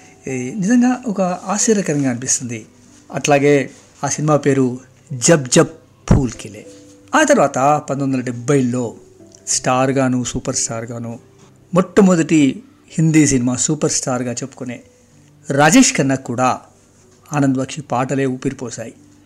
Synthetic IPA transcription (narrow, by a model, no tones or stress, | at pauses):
nizɐŋɡaːʔɔkɐaːʃiːɾɐkɐɾɐŋɡaːɐnipist̪und̪i | ɐʈlaːɡe̞ː | aːsinimaːpe̞ːɾu | d͡ʒɐbd͡ʒɐp | pʰːuːlkilḛː | aːt̪ɐɾʋaːt̪ɐpɐnd̪ond̪ɐlɐɖebːɐjlːo̞ː | sʈaːɾɡaːnuːsuːpɐɾsʈaːɾɡaːnuː | mɔʈːɐmud̪ɐʈi | hind̪iːs̬inimaːsuːpɐɾsʈaːɾɡaːt͡ʃepːu̥kuneː | ɾaːd͡ʒeːʂkɐnːɐkːuːɽaː | aːnɐnd̪ɐbɐkʂipaːʈɐle̞ːupiɾipɔːsaːji